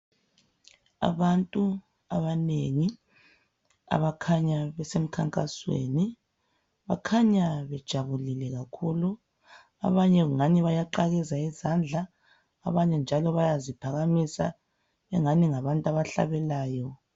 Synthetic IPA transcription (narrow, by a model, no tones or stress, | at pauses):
a̰βantʼu | aβaneŋi | a̰βakʰaɲaβɛsem̩kʰaŋkʼaswḛni | βakʰaɲaβɛd̥ʒ̥ʱaβulilɛɣakʰuːlu | a̰βaɲɛɣuŋaniβajaǃaɣɛzaizand͡ɮʱaː | βaɲɛnd͡ʒʱalɔβajazipʰaɣamisa̰ | βɛŋaniŋaβantʼaβaɬa̰βɛlaːjɔ